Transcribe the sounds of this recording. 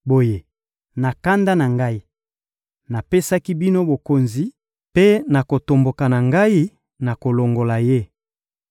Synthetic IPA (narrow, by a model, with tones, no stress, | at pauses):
bo˨je˨ | na˨ka˦nda˦na˨ŋɡa˦i˦ | na˨pe˦sa˦ki˦bi˦no˦bo˨ko˨nzi˦ | pe˦na˨ko˨to˨mbo˨ka˨na˨ŋɡa˦i˦ | na˨ko˨lo˨ŋɡo˨la˨je˦